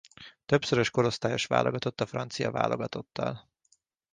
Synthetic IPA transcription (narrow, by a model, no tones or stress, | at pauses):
t̪ø̞psøɾøʃko̞ɾo̞st̪aːjo̞ʃʋa̰ːlʔo̞ɡɒt̪o̞t̪ːɒfrɒnt̪sijɒ̰va̰ːlʔo̞ɡɒt̪o̞t̪ːɒ̰l